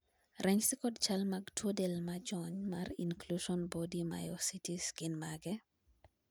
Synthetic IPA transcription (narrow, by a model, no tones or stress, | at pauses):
rʔɛɲsikɔdt͡ʃalmaɡtwodɛlmad͡ʒɔɲmarinkluʃɔnbɔdima̰jɔsitisɡ̥ɪnmaɡɛ